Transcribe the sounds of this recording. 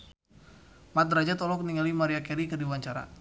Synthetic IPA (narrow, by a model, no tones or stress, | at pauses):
mat̪̚ɾad͡ʒat̪ɔlɔk̚niŋalimaɾiakɛɾikərdiwaɲt͡ʃaɾa̰